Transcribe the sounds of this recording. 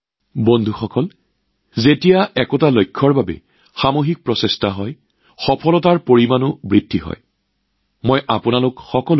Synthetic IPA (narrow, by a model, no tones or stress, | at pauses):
bondʱuxɔkɔl | zetijaɛkɔtalojkʰːɔɹbabɛ̰ | xamoɦik̚pɹɔsestaɦɔj | xɔpʰɔlɔtaɹpoɹimanʊbɹidːiɦɔ̰j | mojʔapʊnalʊkxɔkɔl